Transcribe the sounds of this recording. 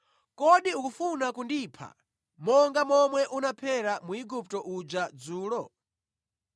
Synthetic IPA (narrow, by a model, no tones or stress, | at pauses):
kɔɗiukufunakundiːpʰa̰ | mɔŋɡamɔmwɛʔunapʰɛɾamuiɡup̚tɔʔud͡ʒad͡zuːlɔ